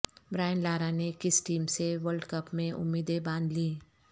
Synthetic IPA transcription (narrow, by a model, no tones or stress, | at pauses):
bɾaːɪnlaːɾanekɪsʈiːmseʋəɾlɖkɐpmẽʔʊ̰mːiːd̪ebãːnd̪liː